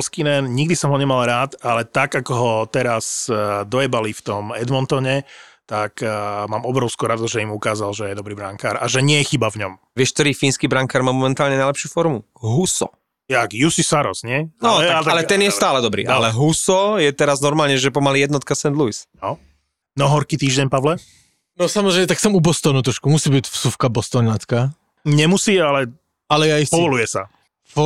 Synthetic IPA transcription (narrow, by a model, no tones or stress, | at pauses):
skinɛnɲiɡd̪isɔmɦɔɲɛmalˠɾaːt̪alɛt̪aɡakɔɦɔt̪ɛɾasd̪ɔjɛbalift̪ɔmɛd̪mɔnt̪ɔɲɛt̪akmaːmɔbɾɔʊskuːɾad̪uzʒɛimukaːzalʒɛjɛd̪ɔbɾiːbɾaŋkaːɾaʒɛɲɪɛjɛxibavɲɔmʋɪɛʃk̚t̪ɔɾiːfiːnskiːbɾaŋkaːɾmaːmɔmɛnt̪aːlɲɛnajlɛpʃɪuːfɔɾmu | ɦusɔ̰ | jakjusisaɾɔsɲɪɛnɔat̪aalɛt̪ɛnɪjɛstt̪aːlɛd̪ɔbɾḭːʔalɛɦusɔjɛt̪ɛɾaznɔɾmaːlɲɛʒɛp̬ɔmaliːjɛd̪nɔt̪̚kasɛnd̪luisnɔ | nɔɦɔɾkiːt̪iːʒɟɛɲpaʋlɛ | nɔsamɔzɾɛɪmɛt̪aksɛmubɔst̪ɔnuːt̪ɾɔʃkumusiːbicfsufkabɔst̪ɔɲat͡ska | ɲɛmusiːalɛ | alɛjaispɔʋɔlujɛsa̰